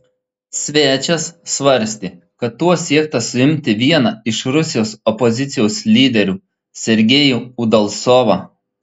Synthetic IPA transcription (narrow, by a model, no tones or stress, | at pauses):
sʲʋʲæːt͡ʃʲɛsːʋɐɾʲsʲt̪ʲiː | kɐt̪ːuɔsʲiɛk̚t̪ɐsʊɪmʲt̪ʲɪʋʲiɛnɐɪʃɾʊsʲɪjoːsɔpɔzʲɪt̪sʲɪjoʊslʲiːd̪ʲɛɾʲuː | sʲɛɾʲɡʲeːjuːud̪ɐlˠsoːʋɑ